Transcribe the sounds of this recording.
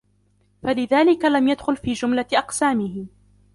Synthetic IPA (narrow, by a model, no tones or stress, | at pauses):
falɪðaːlɪkalamjad̪xʊlfiːd͡ʒʊmlaʔɑqsaːmɪhɪ